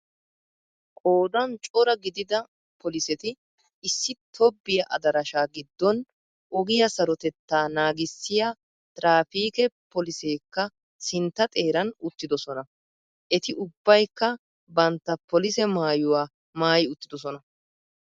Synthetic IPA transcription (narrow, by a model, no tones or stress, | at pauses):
kʼoːd̪ɐnt͡ʃʼɔɾɐɡɪd̪ɪd̪ɐ | pʰɔlɪsɛt̪ɪː | sːɪt̪ʰɔbːɪjɐʔɐd̪ɐɾɐʃaːɡɪd̪ːɔn | ʔɔɡɪjɐsɐɾɔt̪ɛt̪ːaːnaːɡɪsːɪjɐ | t̪ʼɾaːfiːkɛpɔlɪse̞ːkːɐ | sɪnt̪ːɐt̪ʼe̞ːɾɐnʊt̪ːɪd̪ɔsɔnɐ | ʔɛt̪ɪʔʊbːɐjkːɐ | bɐnt̪ːɐpɔlɪsɛmaːjʊwaː | maːjɪʊt̪ːɪd̪ɔs̬ɔnɐ